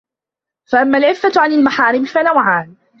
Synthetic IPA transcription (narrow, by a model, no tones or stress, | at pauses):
faʔamːalʕɪfːaʕanalmaħaːɾɪmfanawʕaːn